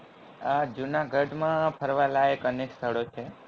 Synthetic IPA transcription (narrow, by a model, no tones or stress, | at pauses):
ad͡ʒunaɡʱəɖmãpʰəɾʋalaekənekst̪ʰəɽot͡ʃʰe